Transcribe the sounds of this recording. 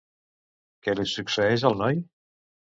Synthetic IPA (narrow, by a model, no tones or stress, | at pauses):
kɛlisuksəɛʒəlˠnɔj